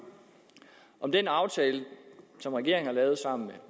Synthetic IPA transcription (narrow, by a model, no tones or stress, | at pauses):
ʔɒ̽md̥enɑ̈ʊt͡sʰɛːləsɒ̽mʁɛɡ̥e̝ɐ̰eŋ̩hɑ̈lɛːʊð̞̩ˠsɑ̈m̰n̩me